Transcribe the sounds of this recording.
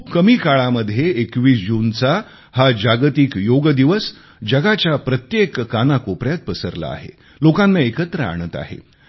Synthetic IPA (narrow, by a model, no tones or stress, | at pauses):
kəmiːkaɭaməd̪ʱjeːkʋiːsd͡ʑunt͡sa | had͡ʑaɡt̪ikjoɡd̪iʋəs | d͡ʑəɡat͡ɕjapɾət̪jekːanakopɾjat̪̚pəsəɾla̰a̰ɦḛ | lokãnːaekət̪ɾəa̰ɽ̃ət̪a̰ɦḛ